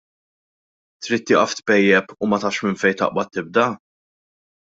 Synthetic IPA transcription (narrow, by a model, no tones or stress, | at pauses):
t̪ɾiːt̪ːɪːʔɐft̪pɛjːɛpumɐt̪ɐːʃmɪnfɛjt̪ɐ̰ʔbɐt̪ːɪb̚d̪ɐ